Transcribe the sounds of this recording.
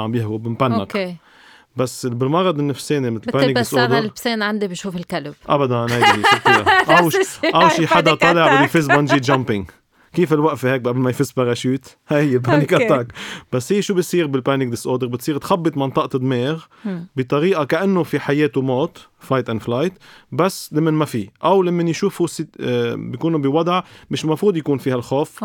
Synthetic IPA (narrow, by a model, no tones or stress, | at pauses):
ʕambjɪhwubɪmbanːak | basːbɪlmɑɾˤɑd̪ɪnːɪfseːnimɪt̪lpaːnɪk̪̚ɪsʔoːd̪əɾseːnʕand̪ibiʃuːfɪlkalbʔa̰bad̪annhajaʔawʔawʃiːħad̪at̪ˤɑlɪʕlfɪzbanʒiːd̪ʒampɪŋ | kiːfɪlwaʔfheːk̚ʔablmajfɪspɑɾˤɑʃuːt̪hahɪjːɪlpaːnɪkat̪ːaːkb̥asːhiːʃuːbɪt̪sˤiːɾbɪlpaːnɪk̚d̪ɪsʔoːd̪əɾbɪt̪sˤiːɾt̪xabːɨt̪ˤmɑnt̪ˤɑʔt̪d̪ˤmeːɣ | bɪt̪ˤɑɾiːʔakaʔanːofiħajeːt̪umoːt̪ | fajt̪ʔanflajt̪basːlamːɪnmafiʔawlamːanjʃuːfusɪbijkuːnubiwɑd̪ˤʕmɪʃmɑfɾuːd̪jakuːnfihalxoːf